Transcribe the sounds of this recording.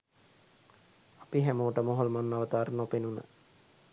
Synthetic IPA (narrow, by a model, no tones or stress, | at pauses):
apiɦæmoːʈəmoɦolmanːaʋət̪aːɾənopenunə̰